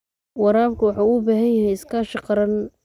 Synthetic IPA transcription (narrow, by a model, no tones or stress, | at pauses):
wɑɾaːbkʰʊwɑħuːʊbaːɦɐnjɐɦɛjɪskʰaʃɪqɑɾɐn